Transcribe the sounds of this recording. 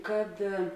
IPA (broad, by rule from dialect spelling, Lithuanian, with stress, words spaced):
kɐt